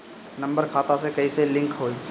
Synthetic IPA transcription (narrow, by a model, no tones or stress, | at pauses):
nɐ̃mbəɾkʰaːt̪ãsekɐiselɪ̃ŋkɦoːi